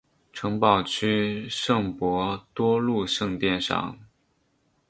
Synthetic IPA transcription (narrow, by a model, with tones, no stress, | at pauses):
ʈ͡ʂʰɤ˧˥ŋpɑ˨˩ʊt͡ɕʰy˥ʂɤ˥˩ŋpwɔ˧˥t̪wɔ˥lu˥˧ʂɤ˥˧ŋt̪jɛ˥˧nʂɑ̰˨˩˦ŋ